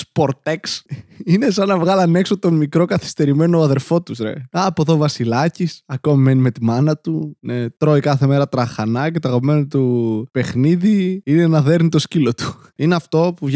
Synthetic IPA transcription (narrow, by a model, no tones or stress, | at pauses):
spo̞ɾt̪eksine̞sɐnɐvɣɐlɐnekso̞t̪o̞nmikɾo̞kɐθi̥st̪e̞ɾime̞noːɐðe̞ɾfo̞t̪usɾḛɐpoðo̞vɐsilɐcisɐko̞mime̞nime̞t̪imɐnɐt̪unet̪ɾo̞ikɐθe̞me̞ɾɐt̪ɾɐxɐnɐcet̪oɐɣɐpimenot̪upe̞xniðiine̞nɐðe̞ɾnit̪o̞scilo̞t̪u̥ | ineɐft̪o̞puvʝ